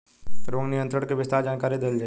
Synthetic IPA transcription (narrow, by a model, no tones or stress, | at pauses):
ɾoːŋnɪjə̃nt̪ʰɾəɽkebɪst̪aːɾd͡ʒaːnkaːɾid̪eːld͡ʒa